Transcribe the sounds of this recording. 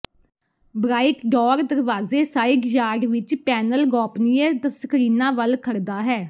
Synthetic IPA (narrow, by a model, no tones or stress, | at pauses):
bɾaːɪkɖɔːɾd̪əɾʋaːzeːsaːɪɡd͡ʒaːɾʋɪt͡ʃpɛːnəlɡɔːpniːɛd̪səkʰɾiːnãːʋəlkʰəɾd̪aːɦɛː